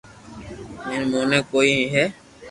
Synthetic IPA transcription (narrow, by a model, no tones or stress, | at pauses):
mẽːnmoːneːkoːiːĩɦɛː